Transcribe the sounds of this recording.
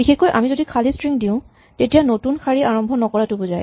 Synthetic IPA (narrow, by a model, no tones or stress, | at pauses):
bixexkojʔa̰mizodikʰalistɹiŋdiʊ̃ | tetijanotunkʰaɹiʔaɹɔmbʱɔnɔkɔɹatʊbozaj